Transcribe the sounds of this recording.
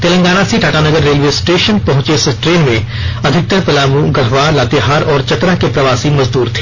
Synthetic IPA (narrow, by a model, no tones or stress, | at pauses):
t̪eːlə̃ŋɡaːɽ̃asiʈʰaːʈanɐɡəɾːeːlʋeːsʈeːʃənpɐ̃ɦʊ̃t͡ʃesʈɾeːnmẽ | ɐd̪ʱɪk̚t̪əɾpɐlaːmũɡɐɦʋaːɾlaːt̪eɦaːɾɔːɾt͡ʃɐt̪ɾakepɾɐʋaːsimɐzd̪uːɾt̪ʰe̥ː